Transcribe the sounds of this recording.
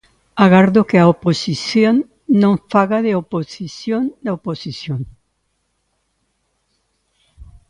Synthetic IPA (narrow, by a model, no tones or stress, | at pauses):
aɣaɾðokeaoposisjon | nõɱfaɣaðeoposisjõnd̪aoposisjoŋ